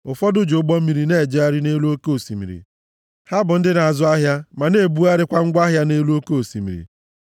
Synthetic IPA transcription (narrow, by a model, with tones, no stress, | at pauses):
ʊ˨fɔ˦dʊ˦d͡ʒo˨˦ɡ͡bɔ˦m̩˦mi˨ɾi˨ne˦˨d͡ʒe˦a˦ɾɪ˦ne˦lu˦o˦ko˦˨sḭ˨mḭ˨ɾḭ˨ | ha˦bʊ˨n̩˦dɪ˦na˨a˨zʊ˦a˦ɦja˦ma˨ne˦˨bu˦a˦ɾɪ˦kʷa˦ŋ̩˦ɡʷa˦ɦja˦ne˦lu˦o˦ko˦o˨sḭ˨mḭ˨ɾḭ˨